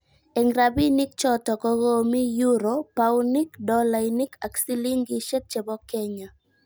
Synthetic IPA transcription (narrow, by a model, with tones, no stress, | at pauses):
ɛ˨ŋɡɾa˨bi˦nɪ˦k̚t͡ʃɔ˦tɔ˨kɔ˦ɣo˦mi˦ju˦ɾo˨pa˦wnɪ˦kdɔ˦la˨inɪ˦kʰa˨ksi˦li˦ŋɡɪ˦ʃɛ˦t̚t͡ʃe˨bɔ˦kɛ˦ɲa˨